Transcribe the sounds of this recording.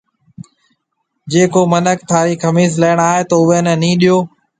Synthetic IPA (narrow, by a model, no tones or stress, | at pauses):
d͡ʑeːkoːmənək̚t̪ʰaːɾiːkʰəmiːsləːɽ̃aːɦet̪oːʊʋeːnənĩːɗɪjoː